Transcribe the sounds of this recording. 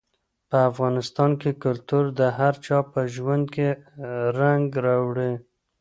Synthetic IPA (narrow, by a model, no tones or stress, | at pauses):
pəafɣɑnɪst̪ɑnkekʊlt̪uɾd̪əɦaɾt͡ʃɑpəʒwand̪̚keɾaŋɡɾɑwɽe